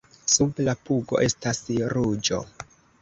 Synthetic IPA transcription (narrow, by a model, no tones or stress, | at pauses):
sumplapuɡo̞̰ʔe̞stasɾud͡ʒo̞̰